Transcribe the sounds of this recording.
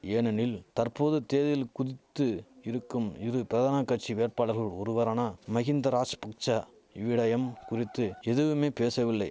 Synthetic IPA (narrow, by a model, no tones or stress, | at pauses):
eːnɐnɪlt̪ɐɾpoːðɯt̪eːðɐjɪlkʊðɪt̪ːɯɪɾɯkːɯmɪɾɯpɪɾɐðaːnɐkːɐʈ̚t͡ʃiʋeːrpaːɽɐɾɣɐɭɔɾɯʋɐɾaːnamɐɣɪnd̪ɐɾaːt͡ʃpɐk̚t͡ʃɐ | ɪʋɪɽɐjɐmkʊrɪt̪ːɯɛðɯʋɯmeːpeːsɐʋɪlːɐɪ